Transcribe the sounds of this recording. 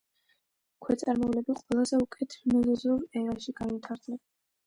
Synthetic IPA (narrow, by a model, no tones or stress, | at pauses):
kʰwɛt̪sʼaɾmɔvlɛbiqʼwɛlˠazɛukʼɛt̪ʰmuzɛzuɾɛɾaʃiɡ̥anit̪ʰaɾd̪lɛ